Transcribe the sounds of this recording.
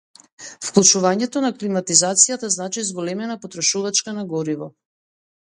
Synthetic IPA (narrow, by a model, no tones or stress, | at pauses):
fklˠut͡ʃuvaɲɛt̪ɔnaklimat̪izat̪sijat̪aznat͡ʃizɡɔlɛmɛnapɔt̪ɾɔʃuvat͡ʃkanaɡɔɾivɔ